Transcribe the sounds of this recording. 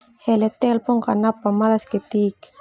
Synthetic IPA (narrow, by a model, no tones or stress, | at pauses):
hɛlɛt̪ɛlpɔŋkanapːamalaskɛt̪ik